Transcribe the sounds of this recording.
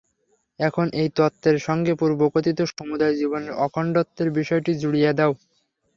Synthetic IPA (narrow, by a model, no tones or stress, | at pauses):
ɛkʰonejt̪ot̪ːeɾʃɔŋɡepuɾbokot̪it̪oʃomud̪ajd͡ʑiboneɾʔɔkʰɔɳɖot̪ːeɾbiʃɔeʈid͡ʑuɽijad̪ɛo